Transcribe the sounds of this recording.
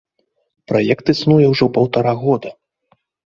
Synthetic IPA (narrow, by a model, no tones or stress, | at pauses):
pɾajɛkt̪ɨsnujɛwʐɔwpɐwt̪aɾaɣɔd̪ɐ